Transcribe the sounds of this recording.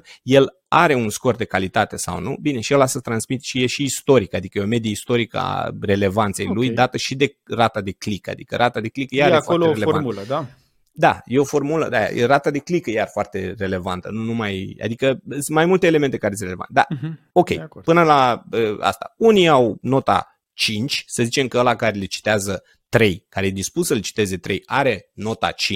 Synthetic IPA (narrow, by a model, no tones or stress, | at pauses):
je̞l | aɾe̞unsko̞rd̪e̞kalit̪at̪e̞sa̰wnṵbine̞ʃijelasət̪ɾansmit̪ʃijeʃiːst̪o̞ɾikad̪ikəjeome̞d̪iist̪o̞ɾikəa̰re̞le̞vant̪se̞jlujd̪at̪əʃid̪e̞rat̪ad̪e̞klika̰d̪ikəɾʔat̪ad̪e̞klikəjeaɾefoaoloeelevauləd̪a | d̪a̰jeo̞fo̞rmulə̰d̪aja̰ḛɾat̪ad̪e̞klikəjarfoart̪e̞re̞le̞vant̪ənunumaja̰d̪ikəsɨnmajmult̪eːlement̪ekaɾesɾeleva̰t̪d̪a̰ | o̞kʲejpɨnəlaəa̰st̪a̰uniawno̞t̪a̰ | t͡ʃint͡ʃʲsəzit͡ʃe̞mkəəlakaɾe̞let͡ʃi̥t̪eazə | t̪ɾe̞jkaɾe̞jed̪ispusəlet͡ʃi̥t̪e̞ze̞t̪ɾe̞̰jaɾe̞no̞t̪a̰t͡ʃi